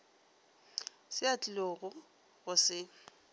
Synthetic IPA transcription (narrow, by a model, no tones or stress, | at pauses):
sɪat͡ɬʼɪloɣʊ | ɣʊsɪ